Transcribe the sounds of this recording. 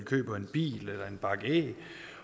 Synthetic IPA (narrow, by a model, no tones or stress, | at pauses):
ikʰø̰ːb̥ɐe̝nb̥ḭːlelɐe̝nb̥ɑ̈ɡ̥ɛ̰